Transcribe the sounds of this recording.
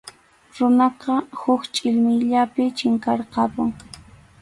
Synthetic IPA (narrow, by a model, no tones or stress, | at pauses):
ɾʊnɑqɑhʊkt͡ʃʼɪʎmɪjʎapɪt͡ʃɪŋkɑɾqɑpʊŋ